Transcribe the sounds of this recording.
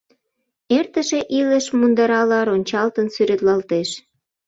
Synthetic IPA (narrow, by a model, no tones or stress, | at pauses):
ert̪ə̆ʃeʔiləʃmund̪ɑɾɑlɑɾonʲt͡ɕɑlt̪ənsyɾet̪lɑlt̪eʃ